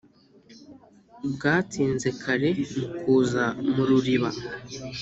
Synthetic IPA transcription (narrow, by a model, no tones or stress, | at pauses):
bɡaːtiːnze̞kʰaɾe̞mukuːzamuɾuɾiβa